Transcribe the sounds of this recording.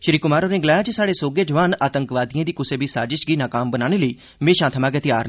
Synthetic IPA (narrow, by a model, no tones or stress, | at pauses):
ʃəɾiːkʊmaːɾoːnẽːɡlaːjãːt͡ʃesaːɽeːsoːɡeːd͡ʒəʋaːnaːt̪əŋkʋaːd̪ijãːd̪iːkʊseːbiːsaːd͡ʒɪʃɡiːnaːkaːmbənaːɽ̃eːləiː | mẽːʃãːt̪ʰəmãːɡɛːt̪ɪjaːɾ